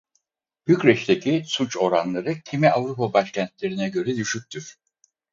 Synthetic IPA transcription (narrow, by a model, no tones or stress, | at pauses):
b̥ycɾɛʃt̪ʰecʰisut͡ʃo̞ɾanlˠaɾɯcʰimiavɾupabaʃcʰænt̪̚lʲe̞ɾinɛɟø̞ɾɛd̪yʃyc̚ʲt̪ʰyɾ̥